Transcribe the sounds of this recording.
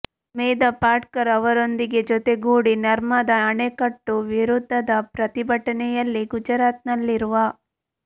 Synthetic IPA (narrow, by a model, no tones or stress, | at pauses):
meːd̪ɐpaːʈkɐɾɐʋɐɾo̞nd̪iɡe̞d͡ʒot̪e̞ɡuːɽinɐɾmɐd̪ɐːɳekɐʈːuʋiɾud̪ʱːɐd̪ɐpɾɐt̪ibʱɐʈɐnɛjɐlːiɡud͡ʒɐɾaːt̪̚nɐlːiɾuʋɐ